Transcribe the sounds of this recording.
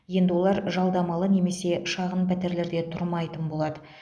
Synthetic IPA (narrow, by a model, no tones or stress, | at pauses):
je̞nd̪ɪwo̞lˠɑɾʒɑlˠd̪ɑmɑlˠəne̞me̞se̞ʃɑʁənpæt̪e̞ɾle̞ɾd̪et̪ʰʊɾmɑjt̪ənbo̞lˠɑd̪ə